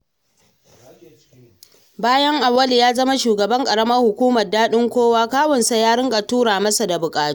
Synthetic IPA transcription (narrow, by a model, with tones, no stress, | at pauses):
baː˦jɐ˦ŋʔa˨wːɐ˦li˨jaː˦zɐ˦ma˦ʃuː˨ɡɐ˨bɐ˦ŋkʼɐ˨ɽɐ˦mɐ˦rhʊ˨kʷuː˦mɐ˨rdaː˦ɗɪ˦ŋkʷoː˦waː˦kaː˦wɔ˨nsa˨jaː˦ɽɪ˦ŋɡʼa˨tuː˦ɾaː˨mɐ˦sa˨da˨bʊ˨kʼaː˨u˦